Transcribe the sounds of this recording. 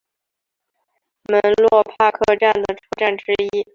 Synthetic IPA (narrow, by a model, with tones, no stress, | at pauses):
mə˧˥nlwɔ˥˧pʰa˥kʰɤ˥˧ʈ͡ʂa˥˩nd̪ə˩ʈ͡ʂʰɤ˥ʈ͡ʂa˥˩nʈ͡ʂɻ̩˥i˥